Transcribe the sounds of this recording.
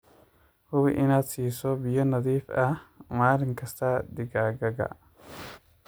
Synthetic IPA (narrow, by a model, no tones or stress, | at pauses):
hʊβɪʔɪnaːd̪siːsɔbɪjɔnɐðiːfʔɐmaːlɪŋkʰɐst̪ʰɐd̪ɪɡaːɡɐɡɐ̰